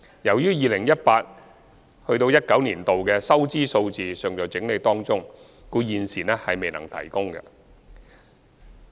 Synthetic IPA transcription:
jɐ˨˩wjyː˥jiː˨lɪ˨˩ŋjɐ˥t̚paː˧t̚ | hɵ˧ɥt̪o˧wjɐ˥t̚kɐ˨˥wniː˨˩nt̪o˨wkɛː˧sɐ˥wt͡siː˥so˧wt͡siː˨sœː˨˩ŋjɔː˨˩jt͡sɪ˨˥ŋle˨˧jt̪ɔː˥ŋt͡sʊ˥ŋ | kuː˧jiː˨nsiː˨˩nɛː˥hɐ˨jme˨jnɐ̰˨˩ŋt̪ʰɐ̰˨˩jkʊ˥ŋɡɐ̰˧

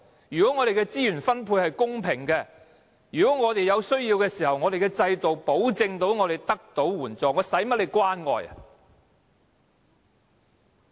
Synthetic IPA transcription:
jyː˨kɔː˨˥ŋɔː˨˧ɾe˨jkɛː˧t͡siː˥jyː˨˩nfɐ˥npʰuː˧jhɐ˨jkʊ˥ŋpʰɪ˨˩ŋkɛː˧ | jyː˨˩kɔː˨˥ŋɔː˨˧t̪e˨jɐ˨˧wsɵ˥ɥjiː˧wkɛː˧siː˨˩hɐ˨˩wŋɔː˨˧ɾe˨jkɛ˧t͡sɐ˧jt̪o˨wpo˨˥wt͡sɪ˧ŋt̪o˨˥wŋɔː˨˧ɾe˨˩jt̪ɐ˥k̚t̪o˨˥wwuː˨˩nt͡sɔː˨˩ŋɔː˨˧˥sɐ˨˥jmɐ˥t̚le˨˧jkwaː˥nŋɔ̰ː˨˩jɐ̰˨

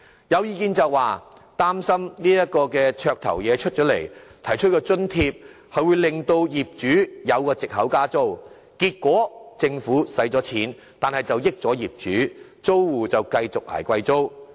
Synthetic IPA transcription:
jɐ˨˧wjiː˨˧kiː˧nt͡sɐ˨wːaː˨ | t̪aː˥msɐ˥mniː˥jɐ˥t̚kɔː˧kɛː˧t͡ʃʰœː˧k̚t̪ʰɐ̰˨˩wjɛː˨˧t͡ʃʰɵ˥t̚t͡ʃœː˨˥le˨˩jt̪ʰɐ˨˩jt͡ʃʰɵ˥t̚kɔː˧t͡sɵ˥nt̪ʰiː˧p̚ | hɐ˨˧ɥwuː˨˧jlɪ˨ŋt̪o˧wjiː˨˩p̚t͡ʃyː˨˥jɐ˨˧wkɔː˧t͡sɪ˨k̚hɐ˨˥wkaː˥t͡so˥w | kiː˧t̚kʷɔː˨˥t͡sɪ˧ŋfuː˨˥sɐ˨˥jt͡sɔː˨˥t͡sʰiː˨˥n | t̪aː˨nhɐ˨jt͡sɐ˨wjɪ˥k̚t͡sɔː˨˥jiː˨p̚t͡ʃyː˨˥ | t͡so˥wwuː˨˩t͡sɐ˨wkɐ˧jt͡sʊ˨k̚ʔa̰ː˨˩jkʷɐ˧jt͡so˥w

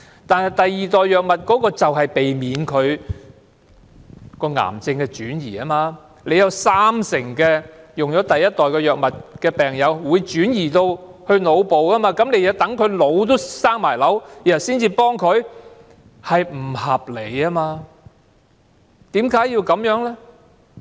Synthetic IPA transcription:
t̪aː˨nhɐ˨jt̪ɐ˨jiː˨t̪ɔː˨jːœː˨k̚mɐ˨t̚kɔː˨˥kɔː˧t͡sɐ˨wɦɐ˨jpe˨jmiː˨˧nkʰɵ˨˧ɥ | kɔː˧ŋa̰ː˨˩mt͡sɪ˧ŋkɛː˧t͡ʃyː˨˥njḭː˨˩ɐ˥maː˧ | le˨˧jɐ˨˧wsaː˥msɪ˨˩ŋkɛː˧jʊ˨ŋjɔː˨˥t̪ɐ˨jːɐ˥t̚t̪ɔː˨jkɛː˧jœː˨k̚mɐ˨t̚kɛː˧pɛː˨˩ŋjɐ˨˧wwuː˨˧jt͡ʃyː˨˥njiː˨˩t̪o˧whɵ˧ɥno˨˧wpo˨wɐ˥maː˧kɐ˨˥mne˨˧jɐ˨˧˥t̪ɐ˨˥ŋkʰɵ˨˧ɥlo˨˧wt̪o˥wsaː˥ŋmaː˨˩jlɐ˨˥wjiː˨˩ɐ˨˩siː˥nt͡siː˧pɔː˥ŋkʰɵ˨˧ɥ | hɐ˨jm̩˨˩hɐ˨p̚le˨˩jaː˥maː˧ | t̪iː˨˥mkaː˨˥ji˧wkɐ˨˥mjœː˨˥ŋlɛ˥

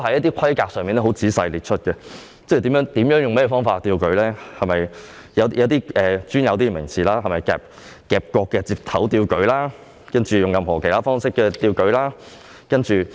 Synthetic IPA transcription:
ɦɐ˨˥jɐ˥t̪iː˥kʷʰɐ˥jkaː˧k̚sœː˨ŋmiː˨nɛ˥hwt͡siː˨˥sɐ˧jliː˨˩t̚t͡ʃʰɵ˥t̚kɛ˧ | t͡sɐ˥jt̪i˨˥mjœː˨˥ŋt̪iː˨˥mjœː˨˥ŋjʊ˨ŋmɛ˥jɛː˧fɔː˥ŋfaː˧t̪̚ːiː˧wkɵ˨˥ɥlɛː˥hɐ˨mɐ˨j | jɐ˨˧wjɐ˨˧wt̪iː˥ʔɛː˨t͡ʃyː˥njɐ˨˧wt̪̬iː˥˩mɪ˨˩ŋt͡sʰiː˨laː˥hɐ˨jmɐ˨jkɛ̰ː˧p̚ | kɛː˨p̚kɔː˧kːɛː˧t͡siː˧p̚t̪ʰɐ˨˥wt̪iː˧wkɵ˨˥ɥlaː˥ | kɐ˥nt͡ʃyː˨˩jʊ˨˩ŋjɐ˨mɦɔː˨˩kʰe˨˩jt̪aː˥fɔː˥ŋsɪ˥kːɛː˧t̪iː˧wkɵ˨˥ɥlaː˥ | kɐ˥nt͡ʃyː˨

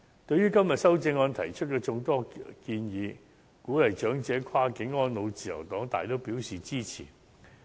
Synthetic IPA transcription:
t̪ɵ˧ɥjɥyː˥kɐ˥mjɐ˨t̚sɐ˥wt͡sɪ˧ŋɔː˧nt̪ʰɐ˨˩jt͡ʃʰɵ˥t̚kɛː˧t͡sʊ˧ŋt̪ɔː˥kiː˧njiː˨˧ | kuː˨˥lɐ˨jt͡ʃœː˨˥ŋt͡sɛː˨˧kʰaː˥kɪ˨˥ŋːɔː˥nlo˨˧wt͡siː˨˩jɐ̰˨˩wt̪ɔː˨˥ŋt̪aː˨jt̪o˥wpiː˨˥wsiː˨t͡siː˥t͡sʰḭː˨˩

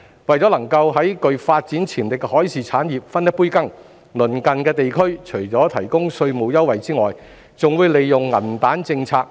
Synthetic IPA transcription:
wɐ˨jt͡sɔː˨˥lɐ˨˩ŋkɐ˧wɦɐ˨˥jkɵ˧ɥfaː˧t̚t͡siː˨˥nt͡sʰiː˨˩nlɪ˨k̚hɔː˨˥jsʰiː˨˩t͡sʰaː˨˥njiː˨p̚fɐ˥njɐ˥t̚puː˥jkɐ˥ŋ | lɵ˨˩nkɐ˨nkɛː˧t̪e˨jkʰɵ˥ɥt͡ʃʰɵ˨˩jt͡sɔː˨˥t̪ʰɐ˨˩jkʊ˥ŋsɵ˧ɥmo˨˧wjɐ˥wɐ˨jt͡siː˥ŋɔː˨j | t͡sʊ˨ŋwuː˨˧jle˨jːʊ˨ŋːɐ˨˩nt̪aː˨˥nt͡sɪ˧ŋt͡sʰaː˧k̚

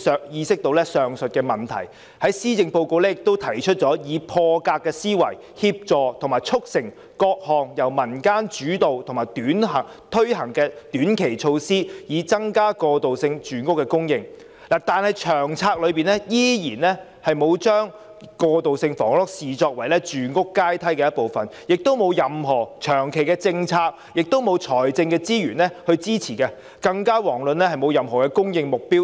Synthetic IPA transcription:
œː˨kjiː˧sɪ˥k̚t̪o˧wlɛː˥sœː˨ŋsɵ˨t̚kɛː˧mɐ˨˩nt̪ʰɐ˨˩j | hɐ˨˥jsiː˥t͡sɪ˧ŋpo˧wko˧wlɛː˥jɪ˨k̚t̪o˥wt̪ʰɐ˨˩jt͡ʃʰɵ˥t̚t͡ʃɔː˨˥jiː˨˧pʰɔː˧kaː˧kːɛː˧siː˥wɐ̰˨˩j | hiː˧p̚t͡sɔː˨˧t̪ʰʊ˨˩ŋmaː˨jt͡ʃʰʊ˥k̚sɪ˨˩ŋ | kɔː˧k̚hɔː˨ŋjɐ˨˩wmɐ˨˩nkaː˥nt͡ʃyː˨˥t̪o˨wt̪ʰʊ˨˩ŋmaː˨˩jt̪yː˨˥nɦɐ˨˩ŋt̪ʰɵ˥ɥɦɐ˨˩ŋkɛː˧t̪yː˨˥nkʰe˨˩jt͡ʃʰo˧wsiː˥jiː˨˧t͡sɐ˥ŋkaː˥kɔː˧t̪o˨wsɪ˧ŋt͡ʃyː˨˥nkʊ˥kːɛ˧kʊ˥ŋjɪ˧ŋ | laː˨˩t̪aː˨nhɐ˨jt͡ʃʰœː˨˩ŋt͡sʰaː˧k̚lɵ˨˧ɥpiː˨nɛ˥jiː˥jiː˨˩nlɛː˥ | hɐ˨jmo˨˧wt͡ʃœː˥ŋ | kɔː˧t̪o˨wsɪ˧ŋfɔː˨˩ŋlɔ˥k̚siː˨t͡ʃɔː˧k̚wɐ˨˩jlɛː˥t͡ʃyː˨˩nkʊ˥kːaː˥jt̪ʰɐ˥jkɛ˧jɐ˥t̚po˨˩wfɐ˨˩n | jɪ˨k̚t̪o˥wmo˨˧wjɐ˨mɦɔː˨˩t͡ʃʰœː˨˩ŋkʰe˨jkɛː˧t͡sɪ˧ŋt͡sʰaː˧k̚ | jɪ˨k̚t̪o˥wmo˨˧wt͡ʃʰɔː˨˩jt͡sɪ˧ŋkɛː˧t͡siː˥jyː˨˩nlɛ˥hɵ˧ɥt͡siː˥t͡sʰiː˨˩kɛː˧ | kɐ˧ŋkaː˥wɔː˨˩ŋlɵ˨nlɛː˥hɐ˨jmo˨˧wjɐ˨mɦɔː˨˩kɛ˧kʊ˥ŋjɪ˧ŋmʊ˨k̚piː˥w

